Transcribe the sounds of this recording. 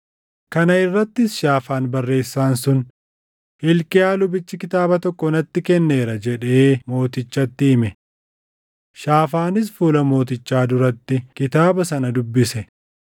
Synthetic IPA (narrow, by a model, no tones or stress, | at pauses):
kɐnɐɪrːɐt̪ːɪsʃaːfaːnbɐrːe̞ːsːaːnsʊn | hɪlkɪjaːlʊbɪt͡ʃːɪkɪt̪aːbɐt̪ɔkːɔɪnɐt̪ːɪkɛnːe̞ːɾɐd͡ʒɛᶑe̞ːmo̞ːt̪ɪt͡ʃːɐt̪ːɪɪmɛ | ʃaːfaːnɪs̬fuːlɐmo̞ːt̪̬ɪt͡ʃːaːd̪ʊɾɐt̪ːɪkɪt̪aːbɐsɐnɐd̪ʊbːɪsɛ